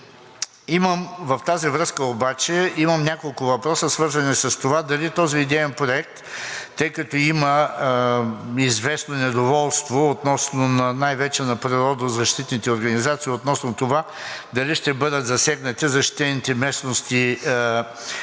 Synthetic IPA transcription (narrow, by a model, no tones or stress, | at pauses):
iməmvɐft̪azivɾɤskəobat͡ʃɛimɐmnʲakolˠkʊvɐpɾɔsəsvɤɾzɐnisɐst̪ovad̪ɐlit̪ɔziːd̪ɛɛnpɾoɛk̚t̪ːɤjkɐt̪ɔimɐ | izvɛsnonɛd̪ovɔlˠst̪voːt̪nɔsnonɐnajvɛt͡ʃɛnɐpɾiɾɔd̪əzɐʃt̪it̪nit̪ɛoɾɡɐnizat̪siːot̪nɔsnot̪ova | d̪ɐliʃt̪ɛbɤd̪ət̪zɐsɛɡnɐt̪izɐʃt̪i̥t̪ɛnit̪ɛmɛsnost̪i